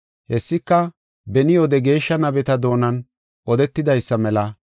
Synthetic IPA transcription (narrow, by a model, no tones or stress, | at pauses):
hɛsːɪkːɐ | bɛnɪjoːd̪ɛɡe̞ːʃːɐnɐbɛt̪ɐd̪o̞ːnɐn | ʔɔd̪ɛt̪ːɪd̪ɐjsːɐmɛlɐ